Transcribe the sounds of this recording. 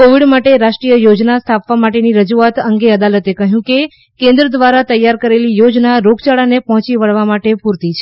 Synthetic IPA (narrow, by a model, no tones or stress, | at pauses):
koʋiɖmaʈeɾaʃʈɾijəjod͡ʒnast̪ʰapʋamaʈeniɾəd͡ʒuat̪əŋɡeəd̪alət̪ekəɦjũke | kẽnd̪ɾəd̪ʋaɾat̪əjːaɾkəɾelijod͡ʒnaɾoɡt͡ʃaɭanepəɦɔ̃t͡ʃiʋəɭʋamaʈepuɾt̪it͡ʃʰe